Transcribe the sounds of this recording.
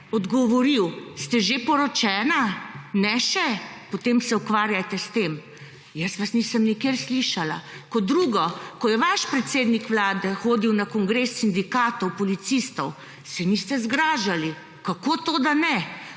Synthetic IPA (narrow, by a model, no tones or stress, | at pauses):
ɔd̪ɡɔʋɔɾiwst̪ɛʒepɔɾɔt͡ʃɛːnanɛʃɛpot̪eːmsɛukʋaːɾjat̪ɛst̪em | jəsʋasniːsəmnikjeɾsliʃala̰kɔd̪ɾuːɡɔkɔjɛʋaʃpɾɛt̪seːd̪nikʋlaːd̪ɛxoːd̪iwnakɔŋɡɾesːind̪ikaːt̪ɔwpɔlit̪sist̪ɔw | sɛnist̪ɛzɡɾaːʒali | kakoːt̪oːd̪anɛ